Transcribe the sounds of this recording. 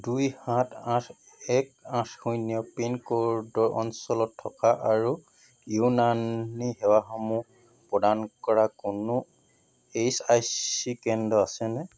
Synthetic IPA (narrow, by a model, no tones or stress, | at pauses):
dujhãtʰãtʰ | ɛkãtʰxujnijɔpinkoɹdɔɹʔɔ̰nsɔlɔtʰːɔkaʔaɹu | junanihɛwaxɔmu | pɹɔdankɔɹakʊnʊ | ejsajsikɛndɔasɛnɛ